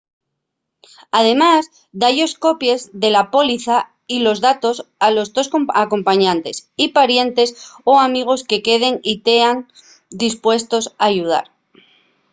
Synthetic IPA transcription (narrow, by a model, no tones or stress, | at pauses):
að̞e̞maz | d̪aʎo̞sko̞pje̞zðe̞lapo̞liθa | ilo̞zðat̪o̞salo̞zðo̞skomako̞mpaɲãnt̪e̞sipaɾje̞nt̪e̞soamiɣ̞o̞ske̞ke̞ð̞e̞ŋit̪eaŋ | d̪ispwe̞st̪o̞saʝuð̞a̰ɾ